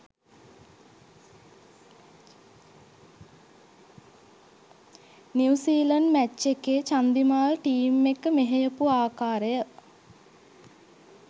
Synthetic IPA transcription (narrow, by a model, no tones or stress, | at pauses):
niwsiːlənmæt͡ʃːekeːt͡ʃand̪imaːlʈiːmːekəmeɦejəpuaːkaːɾəjə